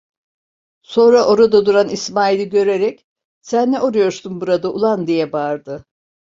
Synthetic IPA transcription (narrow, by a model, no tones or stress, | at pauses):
so̞nɾaʔo̞ɾad̪ad̪uɾanismaːilʲiɟø̞ɾeɾɛc | sænːɛʔoɾujo̞ɾsunbuɾad̪aʔṵlˠand̪ijɛbaɾd̪ɯ